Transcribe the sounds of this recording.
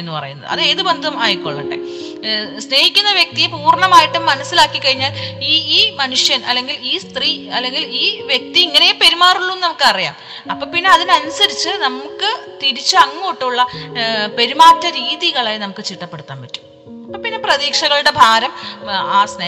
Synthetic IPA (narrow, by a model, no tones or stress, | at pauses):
enːɨpɐ̰rɐ̰junːɐðɨ̰ɐ̰ðe̞ːðɨbe̞nd̪ʱumɐjkːo̰ɭːɐɳɖḛ | sne̞ːhikʲːunːɐʋjek̚t̪ijepuːrɳɐmaːjiʈːumːɐnɐsːilaːkːikːɐɻiɲːaːliːiːmɐnuʂjɐnʔɐlːeŋɡiliːst̪riːɐlːe̞ŋɡiliːʋje̞k̚t̪iiŋːɐne̞jepe̞ɾumaːruɭːunːunɐmukːɨɐrija̰ːm | ɐpːo̞ːpinːe̞ɐðinɐnusɐɾit͡ɕːɨnɐmukːɨt̪iɾit͡ɕːɨɐŋːuoʈːuɭːɐpe̞ɾumaːtːɐɾiːðiɣɐɭaːjnɐmukːɨt͡ɕiʈːɐpːe̞ɽut̪ːaːnpɐtːu̥m | ɐpːoːpinːe̞prɐðiːkʂɐɣɐɭuɽe̞bʱaːɾɐmaːsne